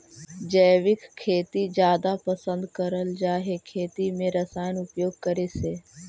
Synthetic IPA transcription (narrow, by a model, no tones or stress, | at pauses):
d͡ʒəːʋɪkkʰːeːt̪id͡ʒjaːd̪apəsə̃nd̪kəɾəld͡ʒaːɦekʰeːt̪imẽɾəsaːjənʊpjoːɡ̚kəɾeseː